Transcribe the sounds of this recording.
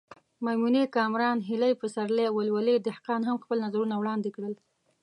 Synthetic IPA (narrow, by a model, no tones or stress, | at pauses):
mamunekɑmɾɑnɦɪlajpəsaɾleawalwaled̪ɪhqɑnɦamxpəlnazaɾunawɽɑnd̪ekɽəl